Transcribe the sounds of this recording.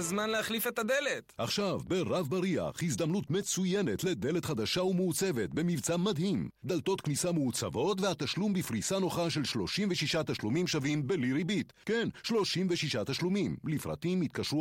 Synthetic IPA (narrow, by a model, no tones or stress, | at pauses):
zmanleaχlifet̪ad̪elet̪ʔaχʃavbe̞ʁavbaɾia̰χhizd̪amnut̪me̞t͡suje̞ne̞t̪led̪e̞let̪χad̪aʃaumeut͡se̞ve̞t̪be̞mivt͡samad̪himd̪alt̪o̞t̪knisameut͡sa̰vo̞t̪vehat̪aʃlumbifʁisano̞χaʃe̞lʃlo̞ʃimveʃiʃat̪aʃlumimʃavimbe̞liɾibit̪kenʃlo̞ʃimveʃiʃat̪aʃlumimlifʁa̰t̪imit̪̚kaʃʁu